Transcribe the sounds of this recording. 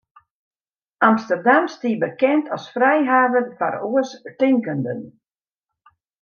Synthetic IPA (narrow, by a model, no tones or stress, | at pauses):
amstərdamstiːbəkɛntʰɔsfrɛjɦaːvənfa̰ɾoəstɪŋkəndə̰n